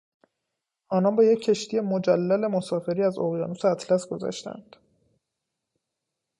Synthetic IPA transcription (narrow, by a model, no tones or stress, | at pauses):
ʔɒːnɒnbɒːje̞cʰːe̞ʃt̪ʰije̞mod͡ʒælːæle̞mo̞sɒːfe̞ɾiːæzo̰ɣjɒ̰ːnuseæt̪ʰlæsɡo̞zæ̰ʃt̪æ̰nd̪̥